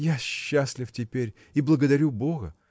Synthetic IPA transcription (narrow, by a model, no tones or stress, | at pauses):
jaɕːasʲlʲɪftʲɪpʲeɾʲ | iblˠəɡəd̪ɐɾʲubo̞ɣə